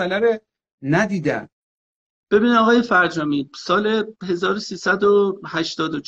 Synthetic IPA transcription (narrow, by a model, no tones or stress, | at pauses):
ælæɾe | næd̪iːd̪æ̰m | b̥e̞biːnɒːɣɒːje̞fæɾd͡ʒɒːmiːsɒːleɦe̞zɒːɾosiːsæd̪ohæʃt̪ɒːd̪ot͡ʃ